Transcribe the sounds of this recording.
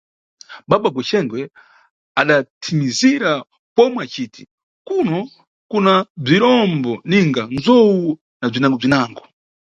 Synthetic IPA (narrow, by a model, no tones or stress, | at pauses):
ɓaɓaɡwɛt͡ʃɛŋɡwɛ | aɗatʰimiziɾa | pɔmwɛat͡ʃiːtʰi̥ | kunɔ | kunab͡ʐiɾɔmbɔniŋɡanzɔwu | nab͡ʐinaŋɡɔb͡ʐinaːŋɡɔ